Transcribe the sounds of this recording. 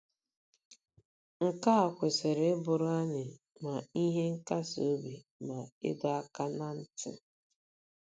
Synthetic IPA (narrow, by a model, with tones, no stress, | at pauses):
ŋ̩˨ka˦a˨kʷe˨se˨ɾe˨˦bʊ˨ɾʊ˦a˦ɲɪ˨ | ma˨i˦ɦe˦ŋ̩˦ka˦so˦bi˨ | ma˨ɪ̰˦dɔ˦a˦ka˦na˦n̩˦tɪ̰˦